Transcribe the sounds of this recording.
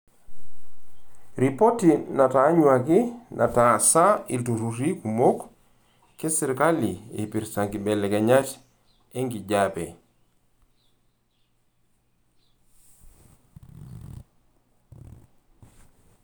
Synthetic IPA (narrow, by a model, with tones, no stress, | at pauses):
ɾipo˦tina˨ta˨˦ɲwa˨ki˦nʔa˨tasa˦i˨ltu˨ɾuɾi˦ku˨mo˦k | kːe˦si˨ɾka˦li˨ḛ˨piɾsa˨ŋki˨bɛ˨lɛ˨kɛɲa˦t͡ʃ | e˦ŋɡi˨ɟapɛ˨